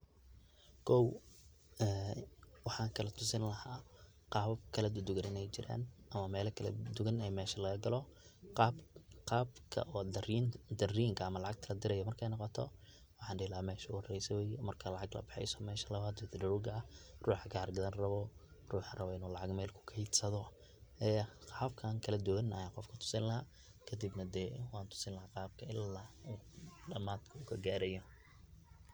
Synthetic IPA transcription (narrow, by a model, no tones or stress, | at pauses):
kʰɔw | ɛwɑħɑːŋkʰɐlɐt̪ʰʊsɪnlɐhaː | qɑːβkʰɐlɐd̪ʊd̪ʊɣɐnɪnɛjt͡ʃɪɾʔa̰ːnʔɐmɐmɛːlɐkʰɐlɐd̪ʊɣɐnɛjmɛːʃɐlɐɣɐɡɐlɔqɑːbqɑːbkʰɐ̰ʔɔːd̪ɐriːŋkʰɐːmɐlɑʕɑɡ̚t̪ʰɐlɐd̪ɪɾɛjɔmɐrkʰɛjnɑqɔt̪ʰɔ̰ | wɑħɑːnɖɪlɐamɛːʃʊhɐrɛjsɐwɛːjmɐrkʰɐlɑʕɑɡlɐ̰bɪħɛ̰jsɔmɛːʃɐlɐβaːd̪wɪd̪ɖɐʊɡɐruːħɡaːrɡɐðɐnrɐβɔ | ruːħrɐβɔɪnuːlɑʕɑɡmɛːlkʰʊ̥kʰɐhid̪sɐðɔ | ʔɛːħɐfkʰaːŋkʰɐlɐd̪ʊwɐnɐ̰jaqɔfkʰʊ̥t̪ʰʊ̥sɪnlɐɦa | kʰɐd̪ibnɐd̪ɛːwɑːnt̪ʰʊ̥sɪnlɐɦaqɑːb̚kʰɐɪlːaːuːɖɐmaːd̪kʰɐʊkʰɐɡaːɾɛjɔ